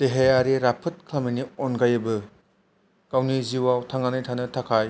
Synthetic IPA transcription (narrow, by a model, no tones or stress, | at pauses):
teɦejaɾiɾapʰɐt̚kʰlaminionɡajɐbɐ | kawniziwawtʰaŋanajtʰanɐtʰakʰaj